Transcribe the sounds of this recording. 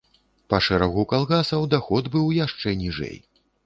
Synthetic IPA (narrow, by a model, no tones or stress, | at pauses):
pɐʂɛɾaɣukalˠɣasɐwd̪axɔd̪bɨwjaʂt͡ʂɛnʲiʐɛ̰j